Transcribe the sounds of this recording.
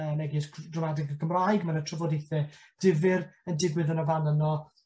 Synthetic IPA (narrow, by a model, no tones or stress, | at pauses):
ənɛɡɛsdrɔmadɪɡəɡʰəmrajɡmanətʰrəvɔdejθɛ | d̥ɪvɪrəndɪɡwɨðənɔvanənɔ